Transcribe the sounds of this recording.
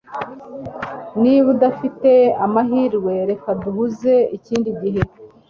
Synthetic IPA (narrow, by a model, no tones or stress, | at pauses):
niβudafite̞amaɦiːɾɡwe̞ɾe̞kaduhuze̞iciːndiɟiɦe̞